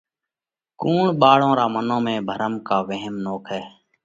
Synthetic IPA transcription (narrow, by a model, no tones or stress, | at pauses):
kuːɳɓaːɭõːɾaːmənõːmẽːbʱəɾəmkaːʋeɦmnoːkʰɛː